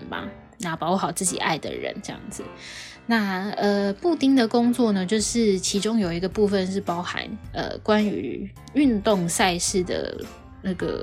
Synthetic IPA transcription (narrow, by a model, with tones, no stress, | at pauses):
bɐ̰˨ | na˧˥pɑ˧˥ʊxɑ˨˩ʊt͡sɹ̩˥˩t͡ɕḭ˨˩a̰˥˩ɪd̪ə̰˩ɻə̰˧˦nʈ͡ʂɤ˥˧jɑ̰˥˩ŋd͡zɨ˨˩na˥˩ə˧pu˥˧t̪i˥ŋd̪ə˨kʊ˥ŋt͡swɔ˥˨nə˩t͡ɕjo˥˧ʊʂɻ̩˥˩t͡ɕʰi˧˥ʈ͡ʂʊ˥ŋjo˨˩ʊi˧˥ɡə˧pu˥˧fə˨nʂ̬ɻ̩˥˩pɑ˥ʊxa̰˧˦nə̰˨˩kwa˦ny̰˧˥˦ | y˥˧nt̪o˥˨ŋsa˥˧ɪʂɻ̩˥˩d̪ə̰˩ | na˥˩ɡə̰˩